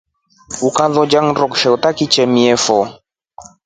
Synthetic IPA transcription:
ukãðɔd͡ʒaŋɾɔkʃɛutakit͡ʃɛmiɛfɔ

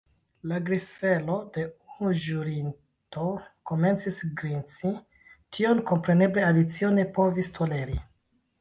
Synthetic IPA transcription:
laɡɾife̞lo̞de̞unuʒuɾin | to̞ko̞me̞nt͡sisɡɾint͡si | tʰio̞nko̞mpɾe̞ne̞ble̞adit͡sio̞ne̞po̞vistʰo̞le̞ɾi

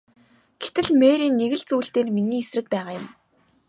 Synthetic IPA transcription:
ɡ̥e̥t̪ɘ̆ɮmeːɾiːnːeɣɘ̆ɮt͡suːɬt̪eːrminiːesrɘ̆k̚pæːʁaːjʊm

